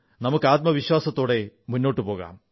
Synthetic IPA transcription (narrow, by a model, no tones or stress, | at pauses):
nɐmukːɨaːt̪̚mɐʋiɕwaːsɐt̪ːo̞ːɽe̞munːo̞ːʈːɨpo̞ːɣa̰ːm